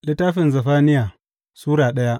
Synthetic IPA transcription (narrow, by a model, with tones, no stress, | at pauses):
lɪ˦tːaː˦ɸɪ˨nzɐ˨ɸaː˦nɪ˦jaː˨ | suː˦ɾaː˨ɗɐ˦ja˦